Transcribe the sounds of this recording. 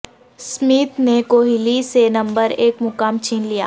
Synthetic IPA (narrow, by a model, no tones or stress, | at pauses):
smiːt̪nekoːɦilisenɐ̃mbəɾeːkmʊkamt͡ʃiːnlija̰ː